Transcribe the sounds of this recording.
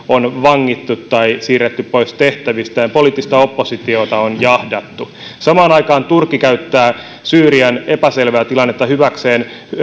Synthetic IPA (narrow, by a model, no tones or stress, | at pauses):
onʋɑŋːit̪ːut̪tɑisiːrːet̪ːyppo̞ist̪eht̪æʋist̪æempo̞liːt̪ːist̪æo̞pːosit̪iot̪ɑonjɑhdɑt̪ːu | sɑmɑːnɑikɑːnt̪urkːikæyt̪ːæː | syːɾiæne̞pæse̞lʋæːt̪ilɑnːet̪ːɑhyʋækseːn